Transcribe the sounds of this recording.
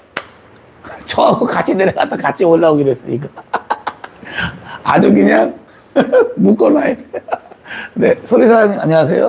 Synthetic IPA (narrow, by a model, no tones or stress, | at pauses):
t͡ɕʌakat͡ɕʰineɾaka̰t͈ʰakat͡ɕʰioɭːaoɡidwes͈ɯɲik̬͈a | a̰d͡ʑuk̬ɯɲaŋ | muk͈ʌnaide | ne̞sʰoɾisʰaaɲima̰ɲias̬ʰe̞jo